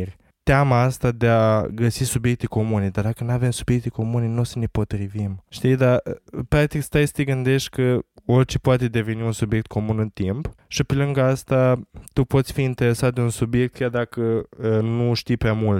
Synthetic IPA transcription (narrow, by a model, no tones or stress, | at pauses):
rʲ | t̪eamaast̪ad̪e̞aɡəsisubje̞k̚t̪eko̞muned̪ard̪akənuave̞msubje̞k̚t̪e̞ko̞muneno̞səne̞po̞t̪ɾivimʃt̪id̪apɾak̚t̪ikst̪ajsə̥t̪eɡɨnd̪e̞ʃt̪ʲkəo̞rʲt͡ʃepoat̪e̞d̪e̞ve̞niunsubje̞k̚t̪̚kʰo̞munɨnt̪impʃipe̞lɨŋɡaast̪at̪upo̞t̪sʲfiːnt̪e̞ɾe̞sat̪̚d̪eunsubje̞k̚t̪̚kʲard̪akəənuʃt̪ijpɾʲamult̪